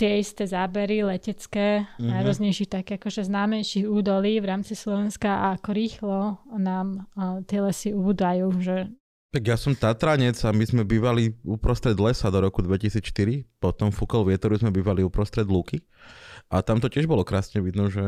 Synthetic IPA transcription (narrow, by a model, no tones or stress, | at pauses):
t̪ɪɛist̪ɛːzaːbɛɾilɛcɛt͡skɛːnajɾɔzɲɛjʃixt̪akɛakɔʒɛznaːmɛjʃiɣuːd̪ɔliːʋɾaːmt͡sislɔʋɛnskaʔaːkɔɾiːxlɔnaːmt̪ɪɛlɛsiubud̪ajuːʒɛ | t̪aɡjasɔmt̪at̪ɾaɲɛd͡zamizmɛbiːʋaliupɾɔst̪ɾɛd̪lɛsad̪ɔɾɔkud̪ʋɛcisiːt͡sʃt̪iɾipɔt̪ɔmfukɔlʋɪɛt̪ɔɾuzmɛbiːʋaliupɾɔst̪ɾɛd̪luːki | ʔat̪amt̪ɔcɪɛʒbɔlɔkɾaːsɲɛʋid̪nɔʒɛ